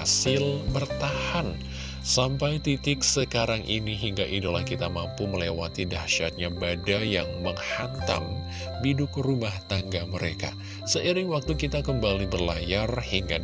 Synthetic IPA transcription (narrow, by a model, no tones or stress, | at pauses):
asɪlbərt̪ahan | sampajt̪it̪ɪk̚səkaɾaŋʔḭniɦiŋɡaʔidulahkit̪amampuməlewa̰t̪idahʃat̪̚ɲabadajaŋməŋhant̪a̰ŋ | bidʊkrumaht̪aŋɡaməɾeka̰ | səʔiɾɪŋwak̚t̪ukit̪akəmbalibərlajarhiŋɡa